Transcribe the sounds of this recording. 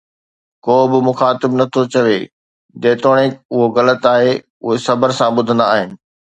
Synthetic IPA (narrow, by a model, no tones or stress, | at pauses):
koːbɪmʊxaːt̪ɪbnɐt̪ʰot͡ɕɐʋe | d̪eːt̪oːɽ̃ekʊɦoɣɐlət̪aːɦe | ʊɦesɐbəɾsãɓʊd̪ʱə̃nd̪aːɦɪnɪ̆